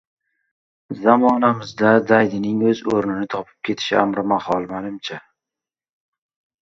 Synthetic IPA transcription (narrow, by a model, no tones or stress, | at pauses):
zamɒnamɪzd̪ad̪ajd̪ɪnɪŋɵzoɾnɪnɪt̪ʰɒpʰɪ̥p̚kʲʰe̞t̪ʰɪ̥ʃɪamɾɪmahɒlˠmanɪmt͡ʃʰa